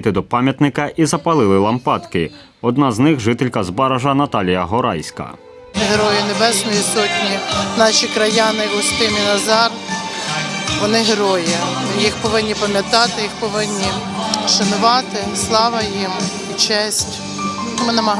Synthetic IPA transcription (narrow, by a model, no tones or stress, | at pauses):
t̪ɪd̪ɔpɑmʲjɐt̪nɪkɐʔizɐpɐlˠɪlˠɪlˠɐmpɑt̪kɪ | ɔd̪̚nɑznɪxʒɪt̪ɪlʲkɐzbɑɾɐʒɐnɐt̪ɑlʲijɐɦɔɾɑ̰jsʲkɐ̰ | ɦɾɔjʊnebɛsnɔjisɔtʲnʲinɑʃikɾɐjɑnɪʊst̪ɪnʲinɐzɑr | ʋɔnɪɦɾɔjɪjixpɔʋɪnʲːipɐmʲjɐt̪ɑt̪ɪjixpɔʋɪnʲːi | ʃɐnʊʋɑt̪ɪslˠɑʋɐjim | it͡ʃɛsʲtʲ | mɪnɐmɐɦ